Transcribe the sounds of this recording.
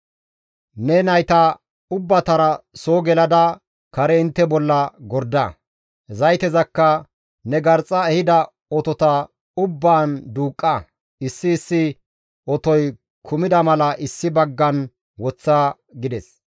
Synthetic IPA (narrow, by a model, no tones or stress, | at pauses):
nɛnɐjt̪ɐ | ʊbːɐt̪ɐɾɐsoːɡɛlɐd̪ɐ | kɐɾɛɪnt̪ːɛbɔlːɐɡɔɾd̪ɐ | zɐjt̪ɛzɐkːɐ | nɛɡɐɾt͡sʼːɐɛhɪd̪ɐ | ɔt̪ɔt̪ɐ | ʊbːaːnd̪uːkʼːɐ | ɪsːɪːsːɪ | ɔt̪ɔj | kʰʊmɪd̪ɐmɐlɐʔɪsːɪbɐɡːɐn | wɔt͡sːa | ɡɪd̪ɛs